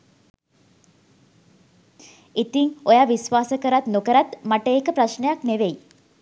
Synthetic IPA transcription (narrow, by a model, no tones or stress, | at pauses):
it̪iŋojaːʋisʋaːsəkəɾat̪nokəɾat̪maʈəekəpɾaʃnəjakneʋej